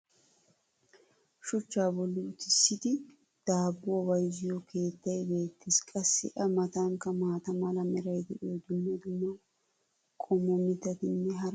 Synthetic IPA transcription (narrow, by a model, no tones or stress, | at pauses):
ʃʊt͡ʃːaːbɔlːɪʊt̪ɪsːɪd̪ɪ | d̪̥aːbːʊwɐwɐjzɪjɔkʰe̞ːt̪ːɐjbe̞ːt̪ːɪskʼɐsːɪ̰ʔɐmɐt̪aŋkɐmaːt̪ɐmɐlɐmɛɾɐjd̪ɛʔoːd̪ʊnːɛd̪ʊnːɐw | kʰʼɔmɔmɪt̪ːɐt̪ɪnːɛɦɐɾ